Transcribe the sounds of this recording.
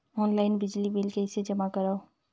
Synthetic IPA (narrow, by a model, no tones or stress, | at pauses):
ɔːnlaːɪnbɪd͡ʒlibɪlkeɪsed͡ʒɐmakɐɾao